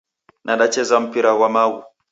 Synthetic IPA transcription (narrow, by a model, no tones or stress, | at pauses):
nʔaɗat͡ʃɛzam̩piɾawamawṵ